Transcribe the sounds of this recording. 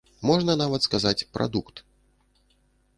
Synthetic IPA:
mɔʐnɐnavɐt̪skazat͡sʲpɾʔa̰d̪ukt̪

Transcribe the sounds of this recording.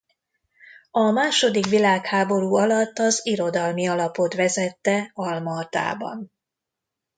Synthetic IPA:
ɒmaːʃo̞d̪ikʋilaːkhaːbo̞ɾuːɒlɒt̪ːɒziɾo̞d̪ɒlmiɒlɒpo̞t̪ʋɛzɛt̪ːɛɒlmɒːt̪a̰ːbɒ̰n

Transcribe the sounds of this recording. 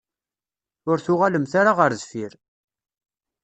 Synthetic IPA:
ʊɾθʊʁaləmθaɾaʁəɾzfiɾ

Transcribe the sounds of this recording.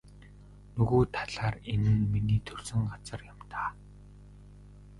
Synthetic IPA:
nɵɣuːt̪ʰḁɮaːrenɘ̆nminiːt̪ʰɵrsɵ̆ŋɢat͡sə̆rjam̥t̪aː

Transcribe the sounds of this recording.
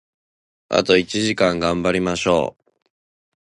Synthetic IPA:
a̰t̪o̞it͡ɕiʑikãŋɡãmbaɾʲimaɕo̞̰ː

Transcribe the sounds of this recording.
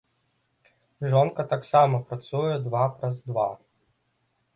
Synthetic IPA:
ʒɔnkɐt̪aksɑmɔpɾɐt̪sujɛd̪ʋɑpɾɐzd̪ʋɑ

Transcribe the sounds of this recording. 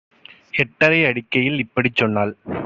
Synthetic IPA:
ɛʈːɐɾɐɪɐɽɪkːɐjɪlɪpːɐɽit͡ʃːɔnːaːl

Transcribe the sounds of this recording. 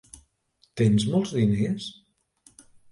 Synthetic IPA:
t̪enzmɔlˠzðines

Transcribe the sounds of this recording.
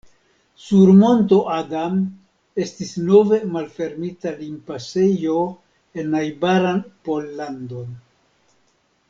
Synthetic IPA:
suɾmo̞nto̞ʔaɡam | e̞stisno̞ve̞malfe̞ɾmitalimpase̞jo̞ | e̞najbaɾanpo̞lːando̞n

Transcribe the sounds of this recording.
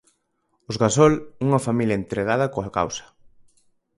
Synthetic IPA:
ʊzɣasɔluŋɐfamiljɐent̪ɾeɣ̞að̞ɐkoaka̰wsɐ̥

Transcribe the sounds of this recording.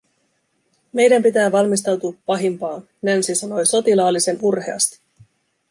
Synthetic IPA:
me̞jdæmpit̪æːʋɑlmist̪ɑwt̪uːpːɑɦimpɑːn | nænsisɑno̞jso̞t̪ilɑːlːise̞nurhe̞ɑ̰st̪i̥

